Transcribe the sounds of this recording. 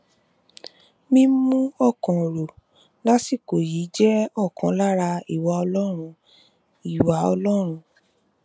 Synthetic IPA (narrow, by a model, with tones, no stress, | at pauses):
mĩ˦mũ˦ɔ˦˨kɔ̃˨ɾo˨ | la˦si˦˨ko˨ji˨˦d͡ʒɛ˦ɔ˦˨kɔ̃˨˦la˦ɾa˧i˦˨wa˨˧ɔ˧lɔ˦ɾ̃ũ˧ | i˨wa˨˦ɔ˧lɔ˦ɾ̃ũ˧